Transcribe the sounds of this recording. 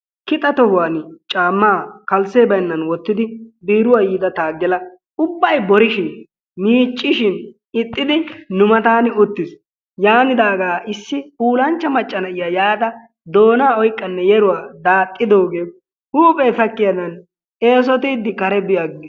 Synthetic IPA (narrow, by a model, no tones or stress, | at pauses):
kɪt̪ʼːɐt̪ɔhʊwaːnt͡ʃʼaːmːaːkɐlseːbɐjnːɐnwɔt̪ːɪd̪ɪbiːɾʊwaːjɪd̪ɐt̪aːɡːɛlɐ | ʊbːɐjbɔɾɪʃɪn | miːt͡ʃʼːɪʃɪn | ɪt̪ʼːɪd̪ɪnʊmɐt̪aːnʊt̪ːɪs | jaːnɪd̪aːɡaːʔɪsːɪuːlɐnt͡ʃːɐmɐt͡ʃʼːɐnɐʔɪjaːjaːt̪ɐ | d̪o̞ːnaːɔjkʼːɐnːɛjɛɾʊwaːd̪aːt̪ʼːɪd̪o̞ːɡeː | uːpʼɛːfɐkːɪjɐd̪ɐn | e̞ːs̬ɔt̪ɪːd̪ːɪkɐɾɛbɪjaːɡɪɪ